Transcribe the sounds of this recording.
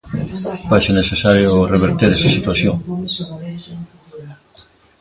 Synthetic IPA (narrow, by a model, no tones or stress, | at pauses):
fajseneθesaɾjoreβeɾt̪eɾesesit̪waθjoŋ